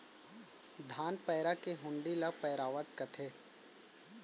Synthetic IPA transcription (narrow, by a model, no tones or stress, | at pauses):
d̪ʱaːnpɛːɾakeɦʊ̃ɳɖilapɛːɾaːʋəʈ̚kɐt̪ʰeː